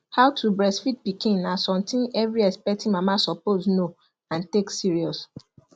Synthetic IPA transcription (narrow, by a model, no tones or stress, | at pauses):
hawtʰubɹɛsfit̚bikʰẽnasɔ̃mtʰĩnɛvɹiɛspɛk̚tĩmamasɔpozno | ãnteksiɹiɔs